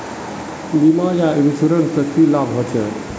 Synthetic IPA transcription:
limajaebit͡ʃʰuɾənsəkʰilabɦot͡ʃʰɛ̰

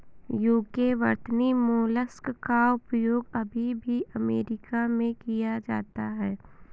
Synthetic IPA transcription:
juːkeʋɐ̰ɾt̪nimoːləskkaʊpɾəjoːɡɐbʱibʱiʔɐmeːɾɪkamẽkijad͡ʒa̰ːt̪aɦɛː

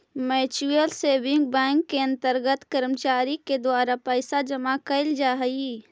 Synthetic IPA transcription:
mɛːt͡ʃuəlseːbɪ̃ŋk̚bɛ̃ːŋkːeɐ̃nt̪əɾɡət̪kəɾmt͡ʃaːɾiked̪waːɾapəːsad͡ʒəmakəɪld͡ʒaːɦəi

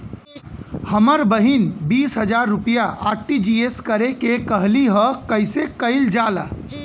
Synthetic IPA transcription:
həməɾbəɦinbiːsɦəd͡ʒaːɾːʊpijaʔaːʈid͡ʒieskəɾekekəɦliɦɔkəɪsekəɪld͡ʒaːla̰

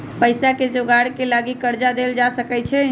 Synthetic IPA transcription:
pəɪsaked͡ʒoɡaɽkelaɡikəɾd͡ʒad̪eld͡ʒasəkɛt͡ʃʰɛ

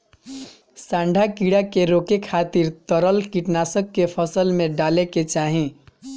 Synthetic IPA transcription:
sãɳɖʱakiɽakeɾokekʰat̪iɾt̪əɾəlkiʈnasəkːepʰəsəlmeɖaleket͡ʃaɦĩ

